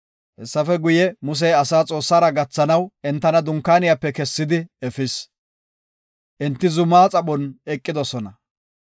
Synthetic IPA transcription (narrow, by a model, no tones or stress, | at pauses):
hɛsːɐfɛɡʊjɛmʊs̬ɛjɐsaːt͡sʼo̞ːsːaːɾɐɡɐt͡sːɐnɐwɛnt̪ːɐnɐd̪ʊŋkːaːnɪjapːɛkɛsːɪd̪ɪɛfɪs | ʔɛnt̪ːɪzʊmːaːt͡sʼɐɓɔnɛkʼːɪd̪ɔsɔnɐ